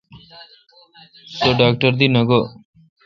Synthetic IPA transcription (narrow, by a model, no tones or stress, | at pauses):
soɖaːk̚ʈəɾd̪inəɡo